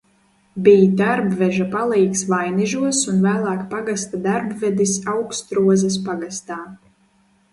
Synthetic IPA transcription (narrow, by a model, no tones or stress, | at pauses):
bijd̪aɾbvɛʒapalˠijksvajnɛʒuɔsunvæːlˠaːkpaɡast̪ad̪aɾbvɛd̪isawkst̪ɾuɔzɐs̬paɡast̪aː